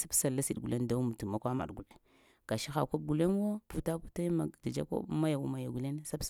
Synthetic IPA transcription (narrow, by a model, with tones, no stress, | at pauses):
sa˦bsa˨lːa˦si˨ɗɡu˨le˦nda˦mu˨tu˨ma˨˦kʷa˦ma̰˨ɗɡu˨le˨ | ɡ̥a˨ʃi˦xa˨ko˦b̚ɡu˨le˦n˦wo˦pu˦ta˦pu˦ta˦ma˨di˨d͡ʒa˦kʷo̰˦ma˦ja˨wṵ˦ma˨ja˨ɡu˨le˦n˦sa˦b